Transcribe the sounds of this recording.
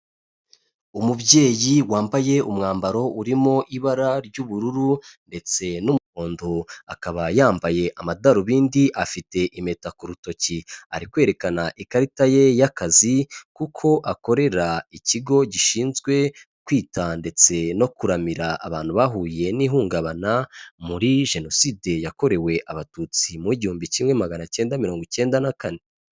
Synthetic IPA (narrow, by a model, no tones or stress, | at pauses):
umubɟe̞ːjiwaːmbaje̞umŋaːmbaɾo̞ʔuɾimo̞ʔiβaɾaɾɟuːβuɾuɾunde̞t͡se̞numkoːndua̰kaβajaːmbaje̞ʔamadaɾuβiːndiʔafite̞ʔime̞takuɾuto̞cia̰ɾikwe̞ːɾe̞kanaʔikaɾitaje̞jakazikukʰo̞ʔako̞ɾe̞ɾaiciɡo̞ɟiʃiːnzɡwe̞ | kwiːtʰande̞t͡se̞no̞kuɾamiɾaʔa̰βaːn̥huβaɦuːje̞niɦuːŋɡaβanamuɾiʒe̞no̞side̞jako̞ɾe̞we̞ʔaβatut͡simuiɟihuːmbiciːmŋe̞maɡanace̞ːndamiɾo̞ːŋɡoce̞ːndanakane̞